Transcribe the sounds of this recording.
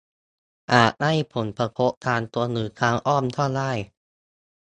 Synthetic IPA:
ʔaː˨˩t̪̚ha˥˩jpʰo˩˦npʰa˧pʰo˦˥ʔ̚t̪ʰaː˧nt̪u˧ɐnɯː˩˦t̪ʰaː˧˥ŋʔɔː˥˩mt̪ʰɔː˥˩laː˥˩j

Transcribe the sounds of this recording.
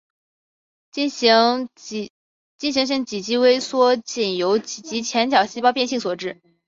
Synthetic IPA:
t͡ɕi˥˩nɕ̬i˧˥ŋɕ̬i˥˩ŋt͡ɕi˨˩t͡ɕi˥we˥ɪswɔ˥t͡ɕi˨˩njo˧˥ʊt͡ɕi˨˩t͡ɕi˧˥t͡ɕʰjɛ˧˥nt͡ɕjɑ˨˩ʊɕi˥pɑ˥ʊpjnɕi˥˩ŋswɔ˨˩ʈ͡ʂɻ̩˥˩

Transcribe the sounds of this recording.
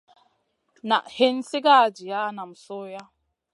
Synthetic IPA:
na̰˨ʔhe˦n̩˦sɪ˦ɡa˦˨d͡ʒi˨ja˦na˨m̩˨sʊ˦ja˦

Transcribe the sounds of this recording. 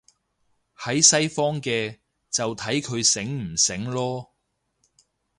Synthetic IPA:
hɐ˨˥jsɐ˥jfɔː˥ŋkɛː˧ | t͡sɐ˨wt̪ʰɐ˨˥jkʰɵ˨˧ɥsɪ˨˥ŋm̩˨˩sɪ˨˥ŋlɔː˥

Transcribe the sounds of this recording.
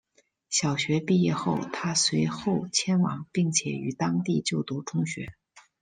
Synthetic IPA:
ɕjɑ˨˩ʊɕɥɛ˧˥pi˥˧jɛ˥˧xo˥˩ʊt̪ʰa˥swe˧˥ɪxo˥˩ʊt͡ɕʰjɛ˥nwɑ̰˨˩˦ŋpi˥˩ŋt͡ɕʰjɛ̰˨˩y̰˨˩t̪ɑ˥ŋt̪i˥˧t͡ɕjo˥˩ʊt̪u˧˥ʈ͡ʂʰʊ˥ŋɕɥɛ̰˧˥

